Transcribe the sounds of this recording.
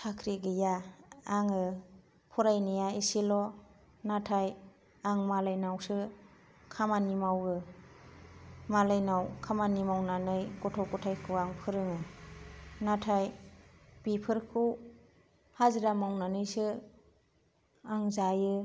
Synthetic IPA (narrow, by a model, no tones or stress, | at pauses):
tʰakʰɾiɡɯjaː | ŋɯ | pʰɔɾajnijaisilɔ | natʰaj | aŋmalajnawsɯ | kʰamanimawɯ | malajnawkʰamanimawnanɯjɡɔtʰɔwkɔtʰajkʰɯaŋpʰɯɾɯŋɯ | natʰaj | b̥ipʰɯɾkʰɯw | haziɾamawnanɯjsɯ | aŋzajɯ